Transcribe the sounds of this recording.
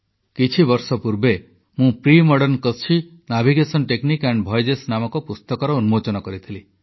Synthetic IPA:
kit͡ʃʰibɔɾsɔpuɾbe | mũpɾimɔɽɔnkɔt͡ʃʰi | nabʱiɡesɔnʈeknikeɳɖbʱɔjd͡ʒesnamɔkɔpust̪ɔkɔɾɔunumot͡ʃɔnɔkɔɾit̪ʰili

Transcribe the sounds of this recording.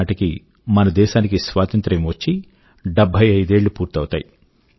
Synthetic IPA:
ʈiki | mɐnɐd̪ɛːʃaːnikisʋaːt̪ɐnt̪ɾɐmʋɐt͡ʃːi | ɖɛbʱːɐjɐjd̪e̞ːɭːupuːɾt̪ɐwut̪a̰ːji

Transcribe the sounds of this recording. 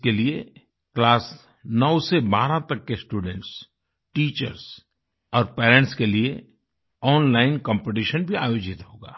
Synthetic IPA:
kelie | klaːs | nɔʊsebaːɾãt̪ɐkːesʈuːɖɛ̃ɳʈs | ʈiːt͡ʃəɾs | ɔːɾpɛːɾɛ̃ɳʈskelie | ɔːnlaːɪnkɔ̃ːmpeʈ̬iʃənbʱiaːjoːd͡ʒɪt̪ɦoːɡa̰ː

